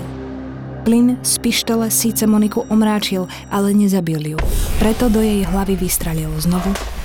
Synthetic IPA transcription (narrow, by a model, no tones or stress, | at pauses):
plinspiʃt̪ɛlɛsiːt͡sɛmɔnikuʔɔmɾaːt͡ʃil | ʔalɛɲɛzabiljupɾɛt̪ɔd̪ɔjɛjɦlaʋiʋist̪ɾaʎilznɔʋu